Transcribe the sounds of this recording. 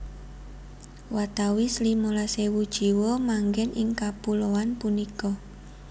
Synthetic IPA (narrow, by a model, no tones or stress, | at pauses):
wat̪awislimolasewud̥ʒ̥i̤wɔmaŋɡɛnɪŋkapuloanpunikɔ